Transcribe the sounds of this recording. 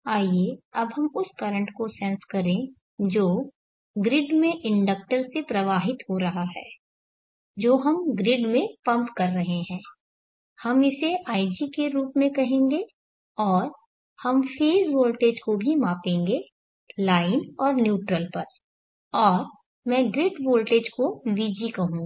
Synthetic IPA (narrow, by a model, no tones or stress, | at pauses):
aːieɐbɦɐmʊskɐɾə̃ɳʈkosɛ̃nskɐɾẽ | d͡ʒoː | ɡɾɪɖmẽʔɪ̃ɳɖək̚ʈəɾsepɾɐʋaːɦɪt̪ɦoɾɐɦaɦɛ̰ː | d͡ʒoːɦɐmɡɾɪɖmẽpɐ̃mpkɐɾːɐɦeɦɛ̃ː | hɐmɪseʔaːɪd͡ʒikeɾuːpmẽkɐɦẽːŋɡe | ɔːɾ | hɐmfʰeːzʋoːlʈeːd͡ʒkobʱimãːpẽːŋɡe | laːɪnɔːɾnjuːʈɾəlpɐɾ | ɔːɾ | mɛ̃ːɡɾɪɖʋoːlʈeːd͡ʒkoʋiːd͡ʒikɐɦũːɡ